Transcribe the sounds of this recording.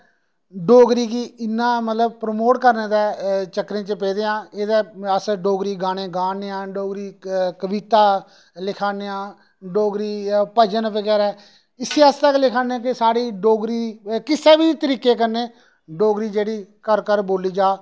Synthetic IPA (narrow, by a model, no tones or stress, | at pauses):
ɖoːɡɾiːkiɪnːãːmət̪ləb̚pɾəmoːʈkəɾneːd̪ɛːt͡ʃəkːɾẽːt͡ʃəpeːd̪eːãːeːd̪eːəsɖoːɡɾiːɡaːɽ̃ẽːɡaːneːãːɖoːɡɾiːkəbit̪aː | lɪkʰaːneːãː | ɖoːɡɾiːpəd͡ʒənʋəɡɛːɾɛː | ɪseəst̪əklɪkʰaːneãːkɪsaːɽiːɖoːɡɾiːkɪsɛːʋiːt̪əɾiːkːeːkəɾneː | ɖoːɡɾiːd͡ʒeːɽiːkəɾkəɾboːliːd͡ʒaː